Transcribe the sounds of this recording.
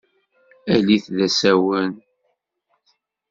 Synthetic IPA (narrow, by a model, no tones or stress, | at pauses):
æliθðæsæwən